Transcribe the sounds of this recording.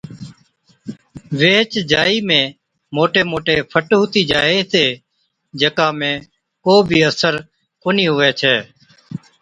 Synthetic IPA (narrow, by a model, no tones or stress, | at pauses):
ʋeːt͡ʃd͡ʒaːiːmẽː | moːʈeːmoːʈeːpʰəʈɦʊːt̪iːd͡ʒaːeːt̪eː | d͡ʒəkãːmẽː | koːbʱiːəsəɾ | koːniːɦʊʋeːt͡ʃʰɛː